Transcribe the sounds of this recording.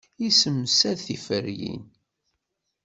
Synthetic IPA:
isəmːsæðθifəɾjḭn

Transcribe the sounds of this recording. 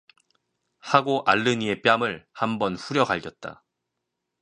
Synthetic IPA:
haɡoʔaɭːɯɲie̞p͈jamɯɭhambʌnɸuɾjʌɡaʎɡjʌt̚t͈a̰

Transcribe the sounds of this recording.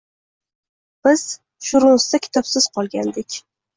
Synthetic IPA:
b̥ɪz̥ | ʃʊɾʊst̪akʲʰɪ̥t̪ʰɒpsɪz̥qʰɒlˠɡʲand̪ɪkʲ

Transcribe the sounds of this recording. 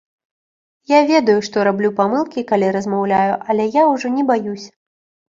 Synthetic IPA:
javʲɛd̪ɐjuʂt̪ɔɾablʲupamɨlˠkʲikalʲiɾɐzmawlʲajuʔɐlʲɛjawʐɔnʲɛbajusʲ

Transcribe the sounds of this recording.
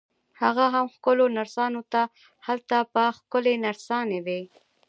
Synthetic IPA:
haɣaɦamxkʊlonaɾsɑnot̪a | halt̪apəxkʊlenaɾsɑned̪e

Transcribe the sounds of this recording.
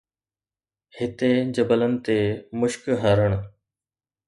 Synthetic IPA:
hɪt̪ed͡ʑəbələnɪ̆t̪emʊʃkɦəɾəɽ̃

